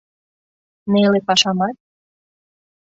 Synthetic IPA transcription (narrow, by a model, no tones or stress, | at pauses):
nelepɑʃɑmɑt̪̚